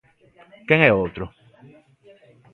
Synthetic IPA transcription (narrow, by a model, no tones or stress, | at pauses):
keŋeot̪ɾo